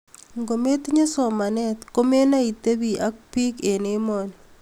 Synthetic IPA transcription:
ŋɡo˨me˦t̪ɲe˦sɔ˨ma˨nɛ˦t̪ko˦me˦na˦i˨t̪e˦bi˨ʔa˦k̚pi˦ke˨ne˦mɔ˨n

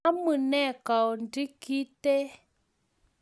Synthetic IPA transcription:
a˦mɨ˨nɛ˦˨ka˨wndi˦ki˦te˦

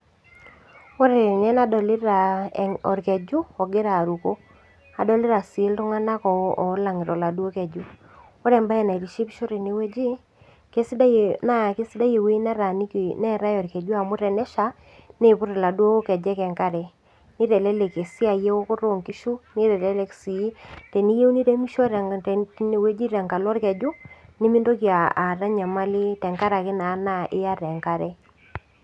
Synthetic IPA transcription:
o˦ɾe˨ɾɪ˨ɲɛ˦na˦dɔ˨lɪ˦ɾa˨ɔ˨ɾkɛ˨d͡ʒu˦ɔ˨ɡe˦ɾa˨ɾu˨ko˦ | a˨dɔ˦˨lɪ˦ɾa˨sːltʊ˦ŋa˦na˦kɔ˨˦ɔ˨˦la˨ŋɪ˨ɾɔ˨la˨du˦o˦kɛ˨d͡ʒu˦ | o˦ɾɛ˨mba˦ɛ˨na˨ɾi˨ʃi˦pi˦ʃo˦ɾe˨ne˦we˦d͡ʒi˦ | ke˦sda˦na˦˨ke˦sɪ˦da˦je˨wi˦nɛ˦ɾa˨ni˦knɛ˦ɾa˦jɔ˨ɾkɛ˨d͡ʒu˦a˨mʊ˦ɾɛ˨nɛ˦ʃa˨˦ | ne˦˨pʊ˦ɾɛ˨la˨dwo˦o˦kɛ˨d͡ʒɛ˦kɛ˨ŋka˦ɾɛ˨ | ni˦ɾɛ˨lɛ˦lɛ˨ke˨si˦a˨je˦o˦kʊ˦ɾo˨ŋki˦ʃu˦ni˦ɾɛ˨lɛ˦lɛ˦ksi˨i˦tɛ˨ni˦je˦u˦ni˦ɾe˦mi˦ʃɔ˦ɾɛ˨˦ne˨we˦d͡ʒi˦ɾɛ˨ŋka˨lɔ˦ɾkɛ˨d͡ʒu˦nɪ˦mɪ˦ndo˦kja˨a˨ɾa˦ɲa˨ma˦lɪ˦tɛ˨ŋka˦ɾa˨kɪ˦na˨˦na˦ʔɪ˦ja˦ɾɛ˨ŋka˦ɾɛ˦

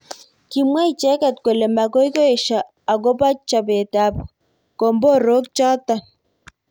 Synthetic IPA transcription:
ki˨mwa˦i˨t͡ʃɛ˦kɛ˨tko˨le˨ma˨ko˦i˦ko˦e˨ʃa˨ | a˨ko˦pa˦t͡ʃa˨be˨ta˨p | ko˨mbo˦ɾo˦k̚t͡ʃɔ˦ta˨

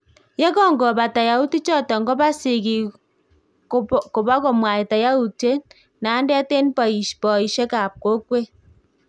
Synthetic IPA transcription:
je˦kɔ˦˨ŋɡɔ˨ba˨ta˨ja˨u˦ti˦t͡ʃɔ˦tɔ˨ŋɡɔ˦ba˦si˨ki˨ | ko˨ba˦ko˨mwa˨i˨ta˨ja˦u˨te˦ | na˨˦ndɛ˦te˦npa˨i˨ʃpɔ˨i˨ʃe˦ka˨p̚ko˦k̚we˦

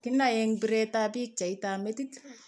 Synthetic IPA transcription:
kɪ˦na˨jɛŋbi˨ɾɛta˦bi˦k̚t͡ʃa˨ita˨mɛ˦ti˦k

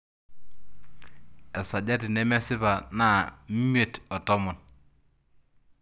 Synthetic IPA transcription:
ɛ˨sa˨ɟe˦ti˨nɛ˦mɛ˦si˦pa˨na˦˨˦mi˦e˨tɔ˨tɔ˦mu˨n

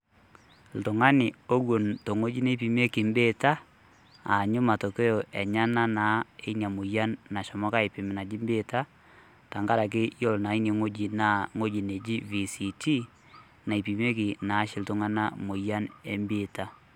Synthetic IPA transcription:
ltʊ˨ŋa˦nɪ˨o˦ɣo˨nto˨ŋo˦d͡ʒi˦ne˦pi˨me˦kɪ˨mbe˦ta˦ | a˨ɲʊ˦ma˨to˨ke˦jo˨ʔɛ˨ɲa˦na˦na˨˦e˦ɲa˨mʊ˨ja˦nːa˨ʃɔ˨mɔ˦ka˦e˨pɪ˨mɪ˨na˨d͡ʒɪ˦mbe˦ta˦ | ta˨ŋɡa˦ɾa˨k̬ɪ˦jɔ˦˨lna˨˦i˦ni˨ŋo˦d͡ʒi˨na˦ŋo˦d͡ʒi˨ne˨d͡ʒi˦vi˨si˨ti˦ | na˨i˨pi˨me˦kɪ˨na˨˦ʃɪ˨ltʊ˨ŋa˦na˦mo˨ja˦ne˦mbɪ˦ta˦

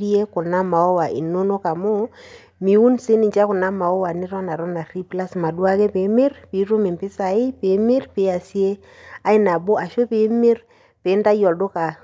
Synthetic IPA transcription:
ɾi˦e˦kʊ˨na˦ma˨ɔ˦wa˨ʔḭ˨no˦nɔ˦ka˨mɔ˦ | mi˨u˦nse˦ni˨d͡ʒa˦kʊ˨na˦ma˨ɔ˦wa˨nɪ˦ɾɔ˦na˨ɾɔ˦na˨ri˦pla˦sma˨du˦a˦kɛ˦pe˨˦mɪ˦ɾpi˨˦ɾo˦mɪ˨mpɪ˦sa˨ɪ˦pe˨˦mi˦rpe˨˦a˨si˦e˦ | a˦ɪ˦na˨bɔ˦ʔa˨ʃo˦pe˨˦me˦ɾ | pe˨˦nda˦jɔ˨do˦ka˨

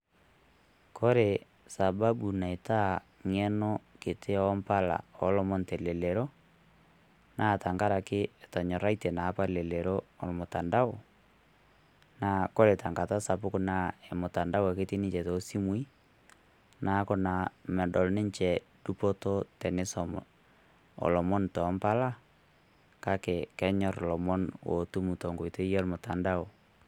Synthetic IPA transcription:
kʰɔ˦ɾe˨ | sa˨ba˦bu˨na˨ɪ˨ta˦ | ŋɛ˦nɔ˦kɪ˨tɪ˦ɔ˦mpa˦la̰˨ɔ˨˦lɔ˦mɔ˦ntɛ˨le˨le˨ɾo˦ | na˦˨ta˨ŋɡa˦ɾa˨kɪ˦ɛ˨ta˨ɲɔ˨ɾa˦itɛ˨na˨˦pa˦le˨le˨ɾo˦ɔ˨lmʊ˨ta˨nda˦ʊ˨ | na˨kɔ˦ɾe˨ta˨ŋɡa˨ta˦sa˨pʊ˦kʊ˦na˦ɛ˨mʊ˨ta˨nda˦wɛ˨kɪ˦ti˦nɪ˦t͡ʃɛ˨tɔ˨si˦mu˦i˦ | na˨˦kɔ˦na˨mɛ˨dɔ˨lnɪ˦ɲt͡ʃɛ˨ | d̥u˦pɔ˦tɔ˦tɛ˨nɪ˦sɔ˨m | ɔ̰˨lɔ˨mɔ˦ntɔ˨˦mpa˦la˦ | ka˦kɛ˨kɛ˦ɲɔ˦ɾlɔ˨mɔ˦nwo̰˨tu˦mu˨tɔ˨ŋɡo˨i˨te˦jɔ˦lmʊ˨ta˨nda˦ʊ˨

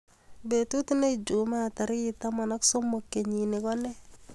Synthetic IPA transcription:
be˨tu˦tne˦id͡ʒu˨ma˦˨ta˨ɾi˦ta˦ma˨na˦kso˦mo˨kːe˨ɲi˨ne˨kɔ˦nɛ˦

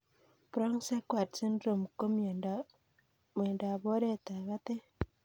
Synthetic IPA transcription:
pɾɔ˦ŋse˦kwa˨tse˦ndɾo˨mko˦m˨ | m˨e˨nda˨βo˦ɾe˦˨ta˨βa˦te˦

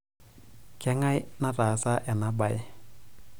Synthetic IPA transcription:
kɛ˦ŋa˦jna˦ta˨sa˦ʔɛ˨na˦ba˨j

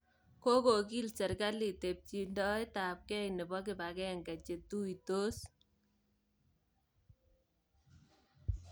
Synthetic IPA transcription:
ko˦ko˨ki˦lsɛ˨ɾka˦li˨te˨p̚t͡ʃi˨ndɔ˦jta˨p̚kɛ˦jnɛ˨bɔ˦k̬ɪ˨ba˨kɛ˦ŋɡa˨t͡ʃe˨tu˦jto˦s

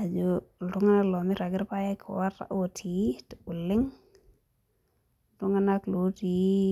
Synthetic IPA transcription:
a˨d͡ʒo˨ltu˦ŋa˦na˦klo˨mi˦ɾa˨ɡɪ˦ɾpa˦ja˦kʰḭ˨wa˦ɾa̰˨ʔo˦tʰi˨˦ti˨u˨lɪ˦ŋ | tu˦ŋa˦na˦klo˨˦ti˨˦

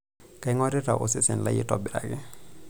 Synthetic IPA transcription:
ka˨ɪ˦ŋɔ˦ɾɛ˦ta̰˨ʔo̰˨sɪ˦sɛ˨n˨la˦jɪ̰˦tɔ˦bɪ˨ɾa̰˨kɪ˦

